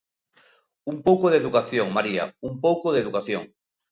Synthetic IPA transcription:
umpowkoðeðukaθjoŋmaɾia̰umpowkoðeðukaθjo̰ŋ

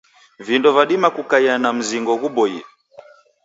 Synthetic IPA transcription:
vindɔvaɗimakukaianam̩ziŋɡɔɣuɓɔjḭ

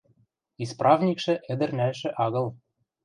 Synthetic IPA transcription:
isprʔɑvnʲikʃɘ̆ʔɘ̆d̪ɘ̆rnælʃɘ̆ʔɑɣɤ̆lˠ

